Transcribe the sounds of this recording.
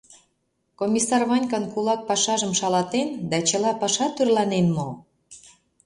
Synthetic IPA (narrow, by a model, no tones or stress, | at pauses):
komʲisɑrβɑnʲkɑnkulɑk̚pɑʃɑʒəmʃɑlɑt̪end̪ɑt͡ɕəlɑpɑʃɑt̪yrlɑnenmo